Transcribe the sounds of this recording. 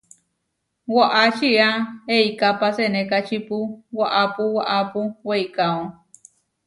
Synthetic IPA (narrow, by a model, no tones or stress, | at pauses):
waʔat͡ʃiaeikapasenekat͡ʃipuwaʔapuwaʔapuweikaõ